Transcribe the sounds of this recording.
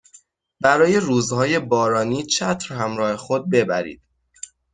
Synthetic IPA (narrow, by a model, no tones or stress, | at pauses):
bæɾɒːje̞ruːzhɒːje̞bɒːɾɒːniːt͡ʃʰæt̪ʰɾhæmɾɒːhe̞xod̪̚be̞bæ̰ɾḭːd̪̥